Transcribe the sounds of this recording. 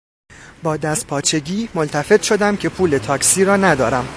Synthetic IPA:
bɒːd̪æst̪̚pʰɒːt͡ʃʰe̞ɟiːmo̞lt̪ʰæfe̞t̪ʃo̞d̪æmcʰe̞pʰuːle̞t̪ʰɒːksiːɾɒːnæd̪ɒːɾæm

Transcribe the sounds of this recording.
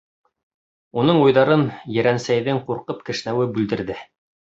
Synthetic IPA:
unɤɴujðɑɾɤnjɘ̆ɾænsæjðɘŋquɾqɤpkɘ̆ʃnæwɘbʉld̪ɘ̆ɾðɘ

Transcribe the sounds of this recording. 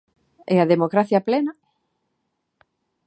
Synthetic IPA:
eaðemokɾaθjɐplena

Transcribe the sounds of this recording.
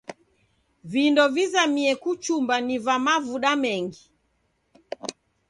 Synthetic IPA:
vindɔvizamiɛkut͡ʃumbanivamavuɗamɛŋɡi

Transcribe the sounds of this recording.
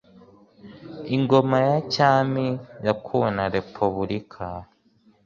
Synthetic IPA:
iŋɡo̞majacaːmijakʰunaɾe̞pʰuβuɾikʰa

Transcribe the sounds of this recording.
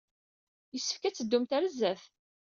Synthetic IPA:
jəsːə̥fkæt͡sːəd̪ːumt̪æɾəzːæθ

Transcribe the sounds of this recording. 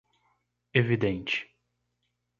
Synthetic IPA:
evid̪ẽnt͡ʃɪ̥

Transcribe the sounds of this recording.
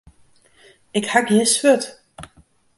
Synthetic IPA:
ɪkhakjisføt

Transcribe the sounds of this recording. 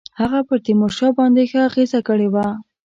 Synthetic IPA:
haɣapəɾt̪imoʃɑbɑnd̪exəaɣezakəɽewa

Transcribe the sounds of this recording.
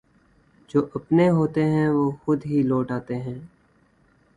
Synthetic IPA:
d͡ʒoːʔəpneɦoːt̪eɦɛ̃ʋoːxʊd̪ɦilɔːʈaːt̪eɦɛ̃ː

